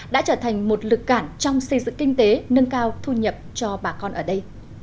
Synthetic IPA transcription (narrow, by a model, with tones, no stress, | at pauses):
ɗa̰ː˧˥t͡ɕəː˧˩t̪ʰa˨˩jŋ̟mo˨˩t̚lɨ˨˩kːaː˧˩nt͡ɕɔ˧wŋ͡msə˧jzɨ̰˧˨ŋkï˧ŋ̟t̪e˨˦nə˧ŋkaː˧wt̪ʰu˧ɲə˨˩p̚t͡ɕɔ˧ɓaː˨˩kɔ˧nʔəː˧˩ɗə˧j